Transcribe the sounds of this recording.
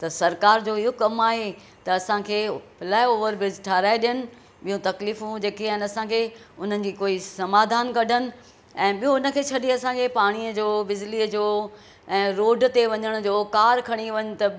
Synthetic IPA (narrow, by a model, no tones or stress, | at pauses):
t̪ɐsɐɾkaːɾd͡ʑoːɪɦokɐmaːɦe | t̪ɐɐsãkʰeːpʰɪlaːeoːʋəɾbɪzʈʰaːɾaːeɗɪjənɪ̆ | ɓijõt̪ɐkliːfũd͡ʑeːkeɛ̃ːnɐsãkʰeːʊn̤ənɪ̆d͡ʑiːkoːisɐmaːd̪ʱaːnkɐɖʱənɪ̆ | ɛ̃ːɓijõʊnə̆kʰeːt͡ɕʰɐɗiɐsãkʰepaːɽ̃iəd͡ʑoːbɪd͡ʑliːəd͡ʑoː | ɛ̃ːɾoːɖ̆t̪eʋɐɲəɽ̃ʊd͡ʑoːkaːɾkʰɐɽ̃iʋɐɲʊ̆t̪ɐ